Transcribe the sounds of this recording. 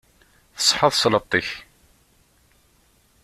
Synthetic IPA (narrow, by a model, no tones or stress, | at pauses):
θə̥sˤħəðˤslət̪ˤːiç